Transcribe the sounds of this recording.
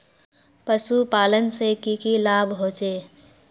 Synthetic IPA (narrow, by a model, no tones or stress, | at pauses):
pəsupaːlənsekikilaːbʱɦoːt͡ʃeː